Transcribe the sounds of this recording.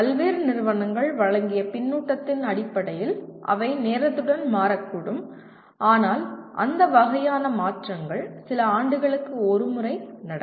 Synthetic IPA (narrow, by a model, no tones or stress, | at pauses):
pɐlʋeːɾɯnɪɾɯʋɐnɐŋɡɐɭʋɐɻɐŋɡɪjɐpɪnːuːʈːɐt̪ːɪnɐɽɪpːɐɽɐjɪlʔɐ̰ʋɐɪneːɾɐt̪ːɯɽɐnmaːɾɐkːuːɽɯm | ʔaːnaːlʔɐ̰nd̪ɐʋɐɣɐjaːnɐmaːʈrɐŋɡɐɭsɪlɐaːɳɖɯɣɐɭɯkːɯɔɾɯmɯrɐɪnɐɽɐ